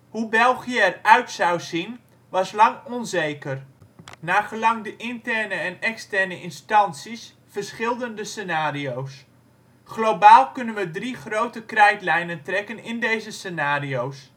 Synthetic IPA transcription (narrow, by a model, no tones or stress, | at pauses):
hubɛlˠɣijəɛrœɥtsawzin | ʋɑslɑŋɔnzejkərnaːχəlɑŋdəʔɪntɛrnəɛnɛkstɛrnəʔɪnstɑnsis | fərsχɪlˠdəndəsenaːriows | χlowbaːlˠkɵnənʋədriχrowtəkrɛjtlɛjnəntrɛkənɪndejzəsenaːriows